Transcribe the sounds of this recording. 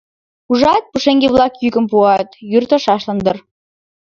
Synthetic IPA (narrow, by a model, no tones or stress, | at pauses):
uʒɑt̪̚puʃeŋɡeβlɑkjykə̆mpuɑt̪jyrt̪ə̆ʃɑʃlɤ̆nd̪ɤ̆r